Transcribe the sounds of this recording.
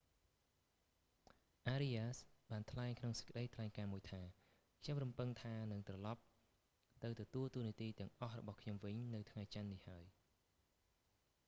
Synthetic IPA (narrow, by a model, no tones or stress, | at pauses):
ʔaːɾiasɓaːnt̪ʰlaɛŋkʰnoŋsə̥c̚kə̆ɗəjt̪ʰlaɛŋkaːmuəjt̪ʰaː | kʰɲomrumpɨŋt̪ʰaːnɨŋt̪rɑlɑp̚ | t̪ɨwt̪ɔt̪uəlt̪uəniət̪iːt̪ɛ̆əŋʔɑhrɔ̰ɓɑhkʰɲomʋɨɲnɨwt̪ʰŋajt͡ɕanːihaəj